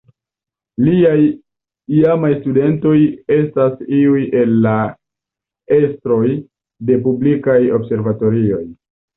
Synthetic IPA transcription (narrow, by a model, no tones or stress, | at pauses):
liaj | iamajstude̞nto̞je̞stasiuje̞lːa | e̞stɾo̞j | de̞p̬ublikajo̞bse̞ɾvato̞ɾio̞j